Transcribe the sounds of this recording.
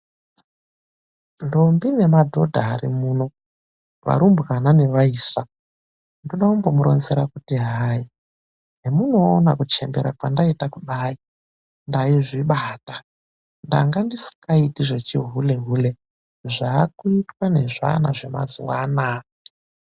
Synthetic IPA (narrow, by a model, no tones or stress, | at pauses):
ndombine̞madʱo̞dʱaːɾimuːno̞ | ʋa̰ɾumbɣanane̞ʋaiːsa | ndoɗakumbomuɾʔo̞̰nzeɾakutiɦaːi | ɦemuno̞ːnakut͡ʃe̞̰mbeɾapandaitakuɗaːi | ndaiʐiɓaːta | nda̰ŋɡandisi̥kaitiʐe̞t͡ʃiɦule̞ɦule̞ | ʐaːkuitwane̞ʐa̰naʐe̞ma̰d͡ziwaːna